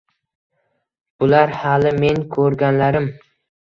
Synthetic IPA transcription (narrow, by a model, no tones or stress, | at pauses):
bʊlaɾhalɪme̞nkʰɵɾɡʲanlaɾɪm